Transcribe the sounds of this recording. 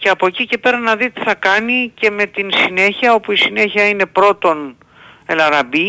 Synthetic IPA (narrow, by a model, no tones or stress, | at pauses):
ce̞ɐpo̞cice̞pe̞ɾɐnɐðit̪i̥θɐkɐnice̞me̞t̪insine̞çiɐo̞puisine̞çiɐine̞pɾo̞t̪o̞n | e̞lɐɾɐbi